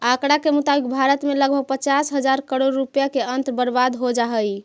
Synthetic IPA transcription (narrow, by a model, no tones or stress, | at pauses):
akɽakemut̪abik̚bʱaɾət̪meləɡ̚bʱəɡ̚pət͡ʃasɦəd͡ʒaɾkəɽoɾːupjakeənt̪bəɾbad̪ɦod͡ʒaɦəj